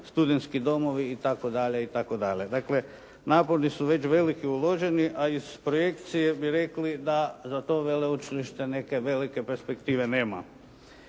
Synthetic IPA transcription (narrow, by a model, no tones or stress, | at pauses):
st̪ud̪ent̪skid̪o̞mo̞ʋiːt̪ako̞d̪aʎe̞it̪ako̞d̪aʎe̞d̪akle̞ | naːpoɾnisuʋe̞t͡ɕʋe̞likiulo̞ʒe̞niʔaiz̥pɾoje̞k̚t̪sije̞biɾe̞klid̪azat̪o̞ːʋeleut͡ʃiliʃt̪e̞ne̞ke̞ʋe̞like̞peɾspe̞kt̪iːʋe̞neːma̰